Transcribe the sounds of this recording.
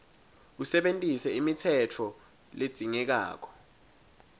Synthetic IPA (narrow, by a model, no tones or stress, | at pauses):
usɛɓentʼisɛimitʰɛt͡fʰɔ | led̥z̥ʱiŋɛk̬a̰ːk̬ɔ̥